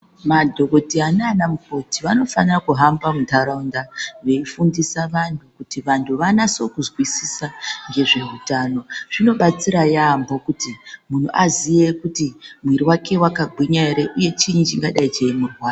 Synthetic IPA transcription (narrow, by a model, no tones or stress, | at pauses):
madʱo̞ko̞tianaːnamuko̞tiʋano̞fanirakuɦambamuntʰaɾaundaʋe̞ifundisaʋantʰukutiʋantʰuʋanaso̞kuzwisisaŋɡe̞ʐe̞utaːno̞ʐ̥ino̞ɓat͡siɾajaːmbo̞kutimun̤uʔazije̞kutimwiɾiwakʰe̞wakaɡʱiɲaeɾeʔuje̞t͡ʃiɲt͡ʃiŋɡaɗait͡ʃemurwaːro